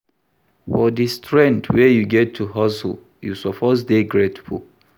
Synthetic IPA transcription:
fɔdistʰɹɛ̃ntwɛjuɡɛtʰːuɦɔsə̰l | jṵsɔpʰɔs̬deɡɹetfṵl

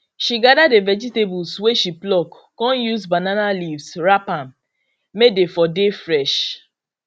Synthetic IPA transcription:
ʃiɡadadevɛd͡ʒitebulsweʃiplɔk | kɔ̃njuzbananalivsɹapãm | medefɔdefɹɛʃ

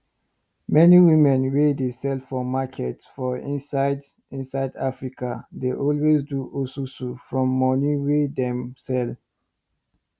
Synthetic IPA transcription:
mɛniwĩmɛ̃nwedesɛlfɔmakʰɛtsfɔĩnsaɪd | ĩnsaɪdafɹikʰadeʔɔlwezduʔosusufɹɔ̃mːɔniwedɛ̃msɛl

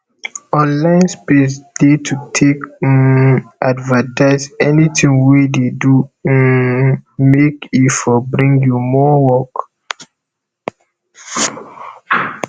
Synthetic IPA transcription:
ɔ̃nlãɪ̃nspesdetʰutʰek | ʔadvətaɪsɛnitʰĩŋwededu | mekifɔbɹĩŋɡjumɔwɔk

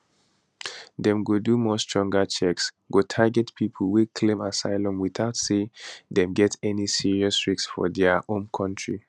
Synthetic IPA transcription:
dɛ̃mɡodumɔstɹ̥ɔ̃ŋɡat͡ʃɛks | ɡotʰaɡɛtpʰipʰl̩wikʰlẽmasaɪlɔ̃mwiθaʊtsedɛ̃mɡɛtɛnisiɹiɔsɹiksfɔ̰dɛõnkʰɔ̃ntʰɹi

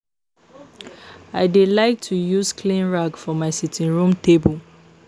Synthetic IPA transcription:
aɪdelaɪk̚tʰujuzkʰlĩnɹaɡfɔmaɪsitʰĩnɹũmtʰebul

